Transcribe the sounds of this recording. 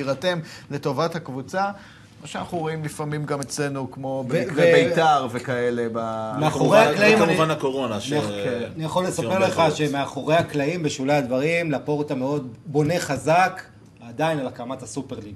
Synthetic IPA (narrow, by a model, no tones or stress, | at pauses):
iʁatemle̞to̞vathakvut͡sa | maʃeanaχnuʁoimlifamimɡame̞t͡sle̞nukmo̞bbebejtaʁvekaelebameaχoʁeaklaimauvanakoʁonakennijaχo̞lːesapeʁleχaʃemeaχo̞ʁe̞jhaklaimbeʃulaadvaʁimlapoʁt̪ameo̞d̚bo̞ne̞χazak | adainalakamat̪hasupeʁliɡ